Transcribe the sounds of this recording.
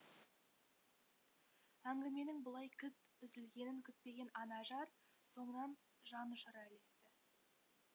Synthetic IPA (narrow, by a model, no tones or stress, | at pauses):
æŋɡʲɪme̞nɪŋbəlˠɑjkʲʰʏt̪ | ʏzɪlɡʲe̞nɪŋkʲʰʏt̪̚pe̞ɡʲe̞nɑnɑʒɑɾ | so̞ɴənɑn | ʒɑnʊʃɑɾɑɪle̞st̪ɪ